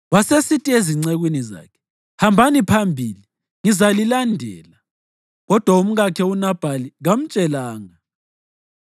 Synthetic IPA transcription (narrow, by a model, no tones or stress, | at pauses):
wasesitʼieziŋ͡ǀeɣwiniza̰ːkʰɛ̥ | hambʱanipʰambʱiːli | ŋizalilandʱɛːla | ɣɔd̥ʱwaum̩ɣakʰɛunab̥ʱaliɣam̩t͡ʃʼɛlaːŋa